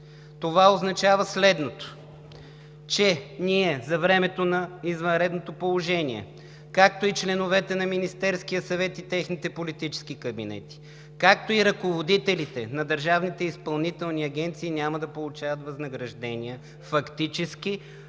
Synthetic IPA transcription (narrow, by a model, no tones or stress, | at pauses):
t̪ovaoznɐt͡ʃavəslɛd̪not̪o̥ | t͡ʃɛniɛzɐvɾɛmɛt̪onɐizvɐnɾɛd̪not̪opolˠoʒɛniɛ̰ | kak̚t̪oit͡ʃlɛnovɛt̪ɛnɐminist̪ɛɾskijəsɐvɛt̪it̪ɛxnit̪ɛpolit̪it͡ʃɛ̥skikɐbinɛ̰t̪i̥ | kakt̪oiɾɐkovod̪it̪ɛlit̪ɛnɐd̪əɾʒavnit̪ɛispɐlˠnit̪ɛlˠniɐɡ̟ʲɛnt̪siːnʲamɐd̪ɐpolˠʊt͡ʃavət̪vɐznɐɡɾɐʒd̪ɛniə | fɐkt̪it͡ʃɛski